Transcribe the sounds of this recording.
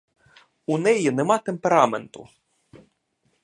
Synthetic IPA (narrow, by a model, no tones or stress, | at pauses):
unɛjinemɑt̪empeɾɑment̪ʊ̰